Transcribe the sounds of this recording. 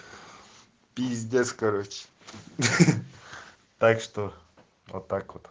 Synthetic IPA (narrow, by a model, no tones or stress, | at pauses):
pizd̪ʲeskaɾot͡ʃ | t̪akʂt̪o | o̰t̪akʰot̪